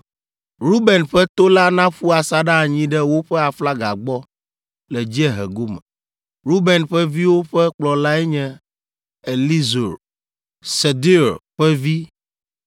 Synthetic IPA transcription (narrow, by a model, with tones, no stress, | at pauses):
ɾu˦bɛ˨nɸɛ˦t̪o˦la˦nã˦ɸu˦a˨sa˦ɖa˦˨ɲĩ˦ɖɛ˦wo˦ɸɛ˦a˨fla˦ɡa˨ɡ͡bɔ˦ | lɛ˨d͡ʑi˦ɛ˦ɦɛ̰˨ɡo˦mɛ̰˨ | ɾu˦be˨nɸɛ˦vi˦wo˦ɸɛ˦k͡plɔ˨la˦ɛ˦ɲɛ̃˦ | e˨li˦zo˨ɾ | se˨d̪i˦ɾɸɛ˦vi˦